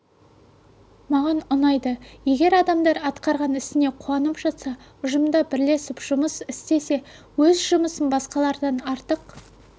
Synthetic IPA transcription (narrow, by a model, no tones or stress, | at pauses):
mɑʁɑnʊnɑjd̪əje̞ɡʲe̞ɾɑd̪ɑmd̪ɑɾɑt̪qɑɾʁɑnɪst̪ɪne̞qʰuɑnəpʒɑt̪sɑ | ʊʒəmd̪ɑbɪɾle̞sɪpʒ̥ʊməsɪst̪e̞se̞ | wɵzʒʊməsənbɑsqɑlˠɑɾd̪ɑnɑɾt̪əq